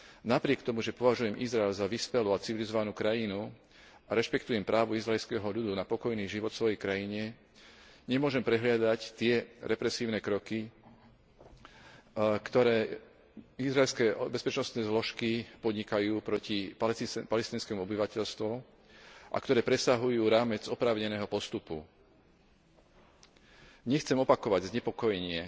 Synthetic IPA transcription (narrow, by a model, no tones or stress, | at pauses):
napɾɪɛkt̪ɔmuʒɛpɔʋaʒujɛmʔizɾaɛlzaʋiːspɛluat͡siʋilizɔʋanuːkɾajinu | aɾɛʃpɛkt̪ujɛmpɾʔaːʋuizɾaɛlskɛɦɔʎud̪unapɔkɔjniːʒiʋɔt̪sʋɔjɛjkɾajiɲɛ | ɲɛmʊɔʒɛmpɾɛɦlɪad̪act̪ɪɛɾɛpɾɛsiːʊnɛkɾɔki | kt̪ɔɾɛː | izɾaɛlskɛbɛspɛt͡ʃnɔst̪nɛːzlɔʃkipɔd̪ɲikajuːpɾɔcipalɛst̪iːnskɛːmuɔbiʋacɛʎst̪ʋɔ | ʔa̰kt̪ɔɾɛːpɾɛsaɦujuːɾaːmɛd͡zɔpɾaːʊɲɛnɛːɦɔpɔst̪upṵ | ɲɛxt͡sɛmɔpakɔʋaɟzɲɛpɔkɔjɛɲɪɛ